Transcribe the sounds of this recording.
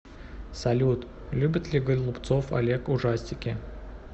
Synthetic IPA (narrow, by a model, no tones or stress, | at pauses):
sɐlʲut̪ | lʲubʲɪt̪lʲɪɡəlʲlˠʊpt̪sofɐ̰lʲekʊʐasʲtʲɪkʲɪ